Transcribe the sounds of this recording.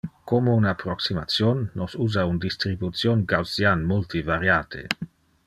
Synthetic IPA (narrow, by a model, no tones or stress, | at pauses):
komounapɾɔksimat̪sjonːɔsuːzaund̪ist̪ɾibut̪sjonɡawsjanmolt̪ivaɾjaːt̪ʰḛ